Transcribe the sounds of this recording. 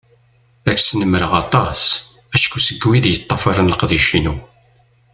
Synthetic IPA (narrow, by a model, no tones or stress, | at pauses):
ækːsnəmːɾəʁɑt̪ˤɑs | æʃkusəɡwiðjət̪ˤːɑfɑɾˤənləqðiʃinu